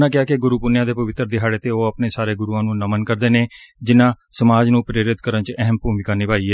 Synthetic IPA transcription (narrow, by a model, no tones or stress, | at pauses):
nãːkɪjaːkeɡʊɾuːpʊnjãːd̪eːpəʋɪt̪ːɾd̪ɪɦaːɽeːt̪eːoːapneːsaːɾeːɡʊɾuːãːnũːnəmənkəɾd̪eːneːd͡ʒɪnãː | səmaːd͡ʒnũːpɾeːɾɪt̪kəɾənt͡ʃɛɦəmpuːmɪkaːnɪpaːiːɛː